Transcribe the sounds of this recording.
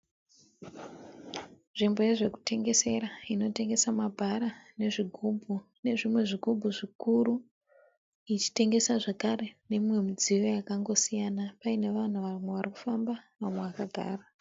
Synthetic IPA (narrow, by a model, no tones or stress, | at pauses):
ʐimbo̞je̞ʐe̞ku̥te̞ŋɡe̞se̞ɾaino̞te̞ŋɡe̞samabʱaɾane̞ʐiɡʱubʱu | ne̞ʐimwe̞ʐiɡʱubʱuʐikuɾu | it͡ʃi̥te̞ŋɡe̞saʐekaɾe̞ne̞we̞mid͡zijo̞jakaŋɡo̞sijanapaine̞ʋan̤uʋamwe̞ʋariku̥fambaʋamwe̞ʋakaɡʱa̰ːra